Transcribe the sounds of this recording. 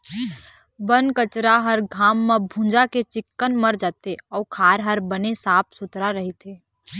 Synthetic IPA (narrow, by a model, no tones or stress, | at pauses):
bənkət͡ʃɾaɦəɾɡʱaːmːãbʱũːd͡ʒaket͡ʃɪkːənməɾd͡ʒaːt̪eɔːkʰaːɾɦəɾbənesaːp̚ʰsʊt̪ɾaɾəɦit̪ʰeː